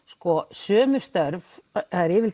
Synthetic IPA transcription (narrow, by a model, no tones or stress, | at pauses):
skɔsœːmʏ̥st̪œɾvhaðɪɾɪvɪl